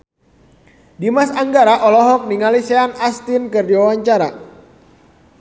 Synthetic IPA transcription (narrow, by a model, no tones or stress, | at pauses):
dimasaŋɡaɾaʔɔlɔɦɔk̚niŋalisɛanast̪ɪnkɨrdiwawaɲt͡ʃaɾa̰